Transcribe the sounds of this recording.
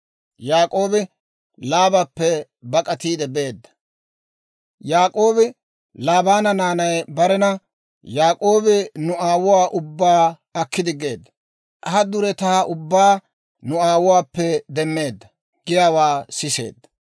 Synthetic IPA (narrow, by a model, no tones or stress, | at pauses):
jaːkʼo̞ːbɪ | laːbɐpːɛ | bɐkʼɐt̪iːd̪ɛbe̞ːd̪ːɐ̥ | jaːkʼo̞ːbɪ | laːbaːnɐnaːnɐjbɐɾɛnɐ | jaːkʼo̞ːbɪnʊaːwʊwaːʔʊbːaː | ɐkːɪd̪ɪɡe̞ːd̪ːɐ | ʔɐɦɐd̪ʊɾɛt̪aːʔʊbːaː | nʊaːwʊwaːpːɛd̪ɛmːe̞ːd̪ːɐ | ɡ̥ɪjaːwaːsɪse̞̰ːd̪ːɐ̥